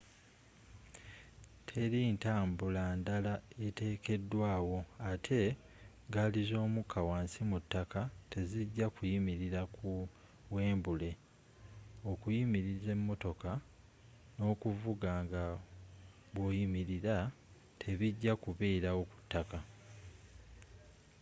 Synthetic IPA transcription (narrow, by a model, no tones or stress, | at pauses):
tʰe̞ɾiːntaːmbulandalae̞te̞ːke̞dːwaːwo̞atʰe̞ | ɡalizo̞ːmukawaːnsimutːakate̞ziɟːakujimiɾiɾaku | we̞ːmbule̞ | o̞kujimiɾize̞mːo̞to̞ka | no̞ːkuvuɡaːŋɡa | βwo̞ːjimiɾiɾa | tʰe̞βiɟːakuβeːɾawo̞ku̥tːaka